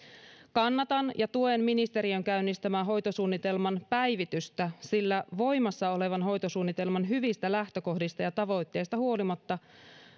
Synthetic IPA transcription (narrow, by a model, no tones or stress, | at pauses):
kɑnːɑt̪ɑnjɑt̪uenminist̪e̞ɾiø̞ŋkæynːist̪æmæːɦo̞jt̪o̞suːnːit̪e̞lmɑnpæjʋit̪yst̪æsilːæʋo̞jmɑsːɑo̞le̞ʋɑnɦo̞jt̪o̞suːnːit̪e̞lmɑnɦyʋist̪ælæht̪ø̞ko̞hdist̪ɑjɑt̪ɑʋo̞jt̪ːe̞ːjst̪ɑhuo̞limɑt̪ːɑ